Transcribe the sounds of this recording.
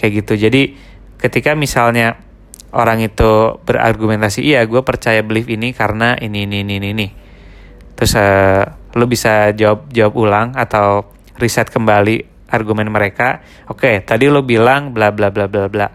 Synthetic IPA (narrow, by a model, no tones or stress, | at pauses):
kajaɡit̪ud͡ʒadi | kət̪ikamisalɲa | oɾaŋit̪ubəra̰rɡumɛnt̪asiʔːjaɡuapərt͡ʃajablɪfinikaɾənaʔininiːnininɪ | t̪ɾʊsəlubisad͡ʒawap̚d͡ʒawapulaŋat̪aw | risɛt̪̚kəmbali | ʔarɡumɛnməɾeka | oket̪adilubilaŋblablablablabla